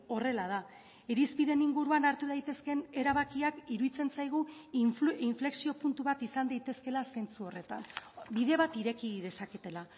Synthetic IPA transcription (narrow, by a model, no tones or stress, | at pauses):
o̞re̞lað̞a | eɾispiðeniŋɡuɾuanaɾt̪uð̞ajt̪e̞ske̞ne̞ɾaβ̞akiakiɾuðit͡se̞nt͡sajɣ̞u | iɱfle̞ksio̞punt̪uβat̪isand̪ajt̪e̞ske̞lase̞nt͡suo̞re̞t̪a̰nbiðe̞βat̪iɾe̞kiðe̞saket̪e̞la